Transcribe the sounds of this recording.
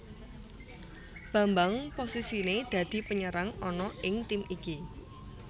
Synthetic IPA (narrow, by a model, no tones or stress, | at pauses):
b̥a̤mbaŋposisined̪̥ä̤d̪̥i̤pəɲəɾaŋɔnɔʔɪŋt̪imiki